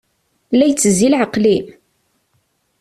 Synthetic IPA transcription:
læjt͡sːəzilʕəqli

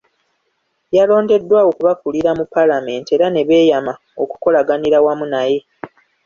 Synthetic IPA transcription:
jalo̞ːnde̞dːwaokuβakuliɾamupːalame̞ːntie̞ːɾane̞βe̞ːjama | o̞ku̥ko̞laɡaniɾawamunaje̞

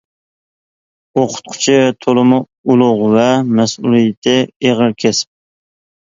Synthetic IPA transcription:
oqʰʊ̥t̪̚qʰʊ̥t͡ʃʰit̪ʰolˠɨmʊ | ulˠʊʁvɛmɛsulˠijɪt̪ʰɪeʁəɾkʲʰesp̚

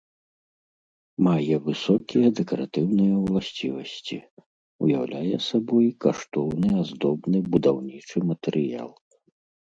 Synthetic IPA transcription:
majɛvɨsɔkʲijɛd̪ɛkɐɾat̪ɨwnɨjɐwlˠasʲt͡sʲivɐsʲt͡sʲḭ | ṵjawlʲajɛsabɔjkaʂt̪ɔwnɨazd̪ɔbnɨbud̪awnʲit͡ʂɨmɐt̪ɛɾɨja̰lˠ

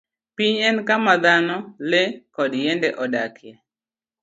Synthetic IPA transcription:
piɲɛnkamad̪anɔlekɔdjɛndɛʔɔdakʰjɛ

